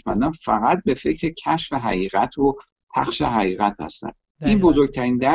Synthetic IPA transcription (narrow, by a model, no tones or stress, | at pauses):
mæ̰nd̪ænfæɣæt̪̚be̞fe̞cʰɾe̞cʰæʃfeɦæ̰ɣiːɣæt̪ʰo | pʰæ̰χʃeɦæɣiːɣæt̪hæ̰st̪æ̰n | ʔiːnbo̞zoɾɟ̚t̪ʰæɾiːnd̪æ